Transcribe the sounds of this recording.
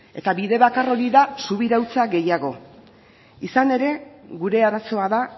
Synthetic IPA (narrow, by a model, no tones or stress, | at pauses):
e̞t̪aβiðe̞βakaro̞ɾiðasuβiɾawt͡saɣe̞jaɣo̞ | isane̞ɾe̞ɣuɾe̞aɾaso̞aða